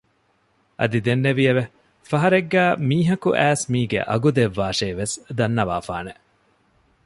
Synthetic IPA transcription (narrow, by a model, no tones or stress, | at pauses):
ʔɐ̰d̪id̪enːeʋiɐʋe | fɐɦɐɾeɡːæːmiːɦɐkṵʔæːsmiːɡḛʔɐ̰ɡud̪eʋːaːʃeːʋesd̪ɐnːɐʋa̰ːfa̰ːne